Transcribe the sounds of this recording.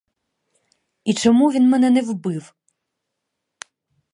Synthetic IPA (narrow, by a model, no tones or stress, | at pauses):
it͡ʃɔmuʋʲinmɛnɛnɛwbɪw